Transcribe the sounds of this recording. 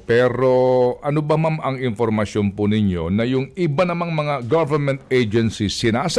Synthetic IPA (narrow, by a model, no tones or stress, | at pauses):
pɛɾo̞ʔɐnobɐmamɐŋɪnfoɾmɐsjonpunɪɲo̞nɐjʊŋɪbanɐmaŋmɐŋaɡavɛɾmɛ̃nt̪ɛjd͡ʒɛnsisɪnaːs